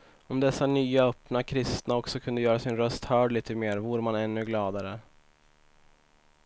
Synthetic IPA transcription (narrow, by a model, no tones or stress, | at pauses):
ɔmd̪ɛsːanyːaœpnakʰɾɪst̪naɔksɔkʰɵnd̪əjœːɾasɪnɾœst̪hœːɖɭiːt̪əmeːɾvuːɾəmanɛnːɵɡlɑːd̪aɾə